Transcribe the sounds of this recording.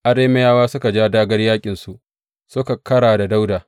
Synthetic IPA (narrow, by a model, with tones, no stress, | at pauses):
ʔa˨ɾeː˦mɐ˦jaː˦waː˦sʊ˦ka˨d͡ʒaː˦daː˦ɡɐ˦rjaː˦kʲʼɪ˨nsu˦˨ʔ | sʊ˦ka˨kɐ˦ɽaː˨da˨da˦wdaː˨